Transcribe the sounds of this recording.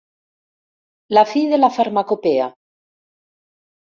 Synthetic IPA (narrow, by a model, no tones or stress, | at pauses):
lafiðelafaɾmakopea